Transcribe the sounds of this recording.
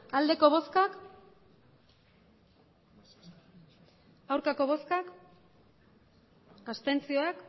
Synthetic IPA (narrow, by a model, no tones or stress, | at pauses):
ald̪e̞ko̞β̞o̞skak | awɾkako̞βo̞skak | ast̪e̞nt͡sio̞ak